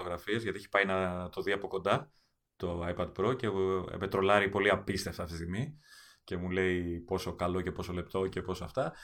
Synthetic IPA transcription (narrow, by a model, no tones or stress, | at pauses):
t̪oɣɾɐfiezʝɐt̪ieçi̥pɐjnɐt̪o̞ðiɐpo̞ko̞nd̪ɐ | t̪o̞ɐjpɐd̪pɾo̞ce̞̰pet̪ɾo̞lɐɾipo̞liɐpist̪e̞ft̪ɐft̪ist̪iɣmi | ce̞mule̞ipo̞so̞kɐlo̞ce̞po̞so̞le̞p̚t̪o̞ce̞po̞soɐft̪ɐ